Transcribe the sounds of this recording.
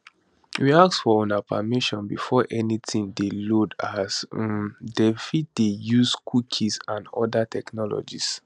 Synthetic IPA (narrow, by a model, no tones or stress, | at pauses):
wiaksfɔɔ̃napʰamiʃɔ̃nbifɔʔɛnitʰĩŋdelodasmdɛfit̚d̥ejuskʰukʰisãnɔ̰datʰɛknɔlɔ̰d͡ʒis